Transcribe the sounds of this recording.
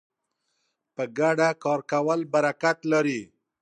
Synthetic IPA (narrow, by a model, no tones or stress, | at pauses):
pəɡaɖakɑɾkawəlbaɾakat̪laɾi